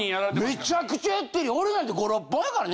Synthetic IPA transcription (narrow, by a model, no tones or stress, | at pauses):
ĩaɾmme̞t͡ɕakɯ̟t͡ɕaat̪ːeɾʲioɾenãnt̪̬eɡo̞ɾopːõjakaɾan